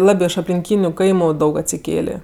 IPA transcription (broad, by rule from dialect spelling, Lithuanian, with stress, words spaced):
ˈlˠɑːbʲeː ɪʃ ɐpʲlʲɪŋʲˈkʲiːnʲʊ ˈkɐɪmʊ ˈdɐʊk ɐtʲsʲɪˈkʲeːlʲeː